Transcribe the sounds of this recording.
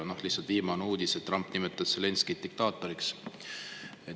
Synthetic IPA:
nohlihsːɑlt̪iːmɑnuːd̪̥iset̪ːrɑmpnimet̪ːˑɑd̪sele̞nskid̪̚d̪ik̚t̪ɑːt̪ːˑo̞ɾiks | e

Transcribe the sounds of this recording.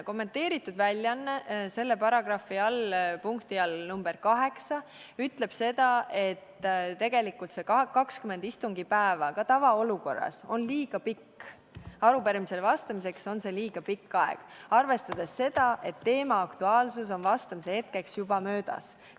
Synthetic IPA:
ko̞mːe̞nt̪e̞ːɾit̪ˑːud̪vælʲːjɑnːese̞lːepɑɾɑɡ̥rɑfiɑlpuŋkt̪iɑlnumb̥e̞ɾkɑɦe̞ksɑyt̪ːle̞b̥se̞d̪̥ɑʔe̞t̪ːˑt̪e̞ɡ̥e̞likːˑult̪se̞kɑkːɑkskyme̞nd̪ist̪uŋɡipæevɑkɑt̪ɑvɑoluko̞̰rːɑ̰so̞nliːɡ̥ɑpikː | ɑɾupeɾmise̞lvɑst̪ɑmise̞kso̞nse̞liːɡ̥ɑpikːɑḛɡ̥ɑrve̞st̪ɑd̪̥ese̞d̪̥ɑʔe̞t̪ːe̞ːmɑɑkt̪uɑːlsus̬o̞nvɑst̪ɑmisehe̞t̪̚ke̞ksjub̥ɑmøːd̪̥ɑ̰s

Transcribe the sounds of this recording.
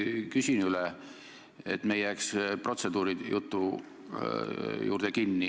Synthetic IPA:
kysʲinyle | ḛt̪me̞jæːkspro̞t̪se̞d̪̥uːɾijut̪ːu | jṵːrd̪̥ekinːi

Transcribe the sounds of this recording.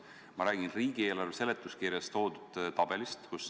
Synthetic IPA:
mɑɾæːɡ̥inriːɡ̥ie̞ːlɑrve̞se̞le̞t̪ːˑuskiɾjɑst̪o̞ːd̪ud̪̥t̪ɑb̥e̞list̪kus

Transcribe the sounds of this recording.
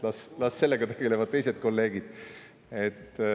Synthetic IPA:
lɑslɑsse̞lːeɡ̥ɑt̪e̞ɡ̥e̞le̞vɑd̪̚t̪e̞jse̞d̪̥ko̞lːe̞ːɡ̥id̪̥ | et̪ː

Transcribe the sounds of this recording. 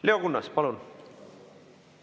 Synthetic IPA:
leo̞ɡunːɑspɑlun

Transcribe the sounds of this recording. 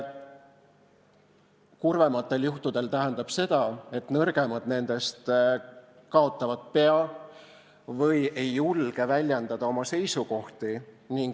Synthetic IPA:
kurve̞mɑt̪ːˑe̞ljuht̪ud̪e̞lt̪æɦend̪̥ɑb̥se̞d̪̥ɑe̞t̪nɤrɡ̥e̞mɑd̪̥ne̞nd̪̥e̞st̪ | kɑo̞t̪ˑːɑvɑd̪̥̚pe̞ɑ | vɤje̞jːulɡ̥e̞vælʲjɑnd̪ɑd̪̥ɑo̞mɑse̞jsuko̞ht̪i | niŋɡ

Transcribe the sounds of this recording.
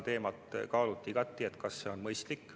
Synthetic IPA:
t̪e̞ːmɑt̪kɑːlut̪ːˑikɑt̪ːˑie̞t̪kɑsːe̞o̞nmɤjst̪likː

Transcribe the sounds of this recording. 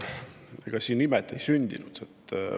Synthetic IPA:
eɡ̥ɑsiːnnimɛt̪ːˑejsynʲd̪̥ḭnud̪̥et̪ː

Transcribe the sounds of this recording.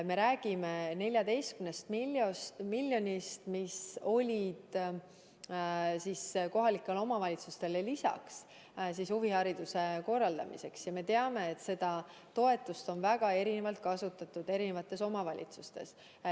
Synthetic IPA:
me̞ɾæːɡ̥ime̞ne̞lʲjɑd̪e̞jst̪kymnest̪miomilʲːjo̞nist̪miso̞lʲid̪̥ | sisko̞ɦɑlikːˑelo̞mɑvɑlʲit̪sust̪e̞lelisɑ̰ks | s̬ishuvihɑɾid̪̥use̞ko̞rːɑld̪̥ɑ̰mḭse̞ksjɑme̞t̪e̞ɑme̞ːt̪ːse̞d̪ɑ | t̪o̞e̞t̪ːˑust̪o̞nvæɡ̥ɑe̞ɾinevɑlt̪̚kɑsut̪ːˑɑt̪ːˑud̪̥e̞ɾine̞vɑt̪ːˑe̞so̞mɑvɑlʲʔḭt̪sust̪e̞̰s

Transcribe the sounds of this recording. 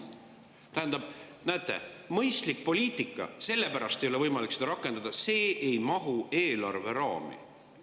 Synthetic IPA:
t̪æɦænd̪̥ɑb̥ | næːt̪ːˑe̞̰mɤ̞jst̪lik̚ˑpo̞lʲiːt̪ˑikːˑɑ̰se̞lːe̞pæɾɑst̪e̞jo̞le̞vɤjmɑliksed̪ɑɾɑkːˑe̞nd̪ɑd̪̥ɑse̞ːejmɑɦuʔe̞ːlɑrve̞ɾɑːmḭ

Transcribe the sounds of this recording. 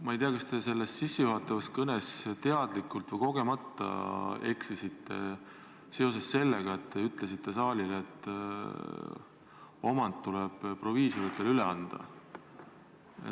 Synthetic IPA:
mɑejt̪eɑkɑst̪e̞se̞lːest̪sisːejuɦɑt̪ˑːɑvɑskɤnest̪e̞ɑd̪̥likːˑult̪ˑvɤjko̞ɡ̥e̞mɑt̪ːɑ̰e̞ksisit̪ːe̞̰ | se̞o̞se̞sse̞lːe̞ɡ̥ɑet̪t̪ːeyt̪ːˑles̬it̪ːe̞sɑːlilet̪ˑː | o̞mɑnd̪t̪ːuleb̥pro̞viːsivət̪ˑːelyleɑnd̪̥ɑ̰ | ḛ

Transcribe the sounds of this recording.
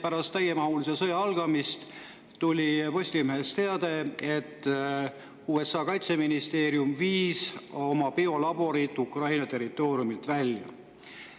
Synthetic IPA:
pæɾɑst̪ːæjemɑhulisesɤjɑɑlɡ̥ɑmist̪ | t̪ulʲipo̞sʲlimeɦest̪e̞ɑd̪̥e̞et̪ːˑ | uːesːɑːkɑjt̪se̞minist̪e̞ːɾjumviːso̞mɑpio̞lɑb̥o̞ɾit̪ːˑukrɑjnɑt̪e̞rit̪ˑːo̞ːɾjumilt̪vælʲjɑ̰

